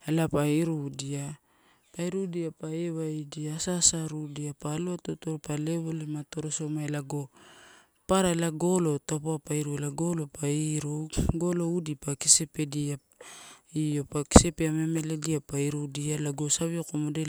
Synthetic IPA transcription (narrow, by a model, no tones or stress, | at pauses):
elapaiɾudia | paiɾudiapaeβaidiasasaɾudiapaːloatotoɾpale̞βolimato̞ɾoso̞maelaɡo̞ | paɾaelaɡo̞lo̞topoapaiɾuelaɡo̞lo̞paiɾoɡo̞lo̞udipakisepe̞dia | io̞paki̥se̞peame̞me̞le̞diapaiɾudialaɡo̞saβiokomode